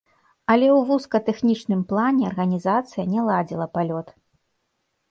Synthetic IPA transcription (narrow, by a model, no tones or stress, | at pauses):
ɐlʲɛwvuskɐt̪ɛxnʲit͡ʂnɨmplˠanʲɛɐrɣɐnʲizat̪sɨjɐnʲɛlˠad͡zʲilˠɐpalʲɔt̪